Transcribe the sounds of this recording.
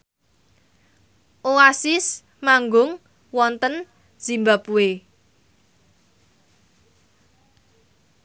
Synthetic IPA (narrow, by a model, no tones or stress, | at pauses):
ʔoasɪs | maŋɡʊŋ | wɔnt̪ən̥ | z̥i̤mbapue